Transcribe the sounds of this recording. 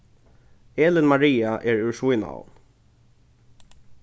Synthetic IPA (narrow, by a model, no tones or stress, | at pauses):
eːlɪnmaɹiːaʔɛɹʉɹʂujna̰